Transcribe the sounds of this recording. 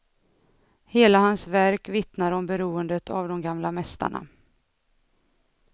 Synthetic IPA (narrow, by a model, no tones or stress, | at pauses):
heːlahansvæɾkvɪt̪naɾɔmbɛɾuːənd̪ət̪a̰vd̪ɔmɡamlamɛst̪a̰ɳa̰